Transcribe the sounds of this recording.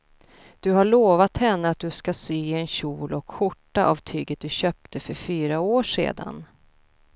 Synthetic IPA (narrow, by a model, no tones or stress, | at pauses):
d̪̥ɵɦaɭoːvat̪hɛnːəat̪̚d̪ɵskasyːɪɛnɕuːlɔkɧʊʈːaʔavt̪ʰyːɡət̪̚d̪ɵɕœːp̚t̪ʰəfœɾfyːɾaoːʂḛːd̪a̰n